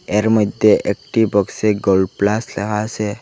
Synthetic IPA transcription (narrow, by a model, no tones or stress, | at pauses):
eɾməd̪ʱjeʔek̚ʈibɔkseɡolɖ̚plasleɦase